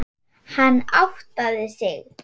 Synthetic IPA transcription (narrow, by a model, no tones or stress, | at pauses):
hanːawht̪aðɪsɪɣ